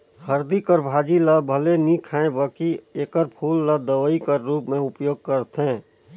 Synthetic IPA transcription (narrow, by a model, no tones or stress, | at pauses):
həɾd̪ikəɾbʱaːd͡ʒiləbʱəlenikʰaːẽbəkieːkəɾpʰuːlːad̪əʋəikəɾːuːpmẽʊpjoːɡ̚kəɾt̪ɦẽː